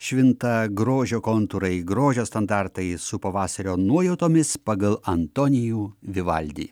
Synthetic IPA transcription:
ʃʲʋʲɪnt̪ɐɡɾoːʒʲoːkont̪ʊɾɐɪɡɾoːʒʲoːst̪ɐnd̪ɑɾt̪ɐɪsʊpɐʋɑːsɐɾʲoːnuɔjɛʊt̪oːmʲɪspɐɡɐlˠɐnt̪oːnʲɪjuːʋʲɪʋɐ̰lʲd̪ʲḭː

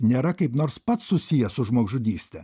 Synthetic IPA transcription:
nʲeːɾɐkɐɪpnoːɾspɐt̪ssʊsʲijɛsʊʒmuɔɡʒʊd̪ʲiːsʲt̪ʲɛ

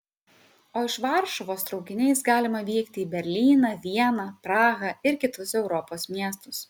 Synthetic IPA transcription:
oːɪʃʋɑˑɾʃɔʋoːst̪ɾɒʊkʲɪnʲɛɪsɡɑːlʲɪmɐʋʲiːkt̪ʲɪiːbʲɛɾʲlʲiːnɑʋʲiɛnɑpɾɑːɣɐɪɾkʲɪt̪ʊsɛʊɾɔpoːsmʲiɛst̪ʊs

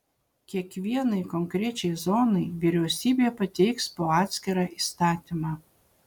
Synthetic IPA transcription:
kʲiɛkʋʲiɛnɐɪkɔŋkɾʲɛt͡ʃʲɛɪzɔːnɐɪʋʲiɾʲɛʊsʲiːbʲepɐt̪ʲɛɪkspoɑːt̪ʲsʲkʲɛɾɑʔist̪ɑːt̪ʲɪmɑ

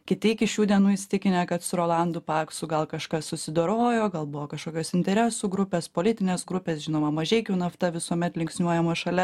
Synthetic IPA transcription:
kʲɪt̪ʲɪkʲɪʃʲuːd̪ʲiɛnuːɪsʲt̪ʲɪkʲɪnʲɛkɐt̪sʊɾoːlˠɐnd̪uːpɑːksuɡɐlˠkɐʃkɐssʊsʲɪd̪oːɾoːjoːɡɐlˠbʊʋoːkɐʃkoːkʲoːsɪnʲt̪ʲɛɾʲæsuːɡɾʊpʲeːspoːlʲɪt̪ʲɪnʲeːsɡɾʊpʲeːsʒʲɪnoːmɐmɐʒʲɛɪkʲuːnɐft̪ɐʋʲɪsuɔmʲɛt̪lʲɪŋksʲnʲuɔjɛmoːʃɐlʲɛ

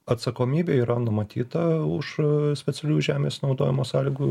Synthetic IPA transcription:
ɐt̪sɐkoːmʲiːbʲeːiːɾɐnʊmɐt̪ʲʰiːt̪ɐʊʃsʲpʲɛt͡s̪ʲɛlʲuːʒʲæːmʲeːsnɒʊd̪oːjɪmoːsɑːlʲiɡu

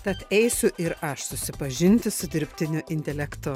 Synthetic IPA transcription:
t̪ɐt̪ɛɪsʲʊʔɪɾɐʃsʊsʲɪpɐʒʲɪnʲt̪ʲɪsʊd̪ʲɪɾʲpʲt̪ʲɪnʲʊʔɪnʲt̪ʲɛlʲɛkt̪ʊ

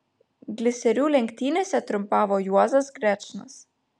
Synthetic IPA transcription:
ɡlʲɪsʲɛɾʲuːlʲɛŋʲkt̪ʲiːnesʲɛt̪ɾʊmpɑːʋɔjuɔzɐsɡɾʲɛt͡ʃnɐs

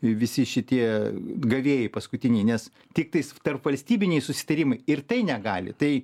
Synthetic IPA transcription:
ʋʲɪsʲɪʃʲɪt̪ʲiɛɡɐʋʲeːjɛɪpɐskʊt̪ʲɪnʲɛɪnʲɛs | t̪ʲɪk̚t̪ɐɪst̪ɐrpʋɐlʲsʲt̪ʲiːbʲɪnʲɛɪsʊsʲɪ̥t̪ɐɾʲɪmɐɪɪrt̪ɐɪnʲɛɡɑːlʲɪ̰t̪ɐɪ

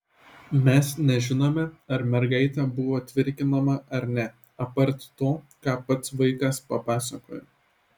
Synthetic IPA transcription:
mʲɛsnʲɛʒʲɪnoːmʲɛɐɾmʲɛɾɡɐɪt̪ʲɛbʊʋoːt̪ʲʋʲɪɾʲkʲɪnɐmɐʔɐɾnʲɛ | ɐpɐɾʲt̪ʲt̪oː | kɑːpɐt̪sʋɐɪkɐspɐpɑːsɐko̰ːjo

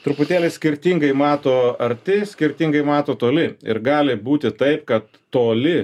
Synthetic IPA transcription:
t̪ɾʊpʊt̪ʲæːlʲɛsʲkʲɪɾʲt̪ʲiŋɡɐɪmɑːt̪oːɐɾʲt̪ʲɪsʲkʲɪɾʲt̪ʲiŋɡɐɪmɑːt̪oːt̪oːlʲɪɪ̰ɾɡɑːlʲɪbuːt̪ʲɪt̪ɐɪp̚kɐt̪ːoːlʲɪ

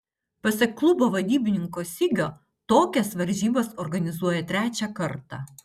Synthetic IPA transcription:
pɐsʲɛkklˠʊboːʋɐd̪ʲiːbʲɪnʲɪŋkoːsʲɪɡʲoː | t̪oːkʲɛsʋɐɾʲʒʲiːbɐsɔɾɡɐnʲɪzuɔjɛt̪ʲɾʲæːt͡ʃʲɛkɐɾt̪ɑ̰ː

